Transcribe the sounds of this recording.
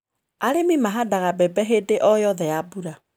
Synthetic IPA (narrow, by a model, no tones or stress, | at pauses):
aɾemimaɦadaɣabɛbɛɦedeʔɔjɔðɛabuɾa